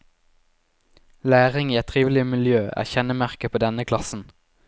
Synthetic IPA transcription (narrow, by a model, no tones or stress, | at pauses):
læːʁɪŋiːɛt̪ʰʁiːʋɪl̩ɪmɪljøːæ̰ːʁçɛnəmæʁkəpʰoːd̪ɛnəkʰlɑsn̩